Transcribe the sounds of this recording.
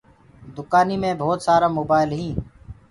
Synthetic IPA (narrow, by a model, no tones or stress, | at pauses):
d̪ʊkaːniːmẽːbʱoːt̪saːɾaːmoːbaːɪlɦĩː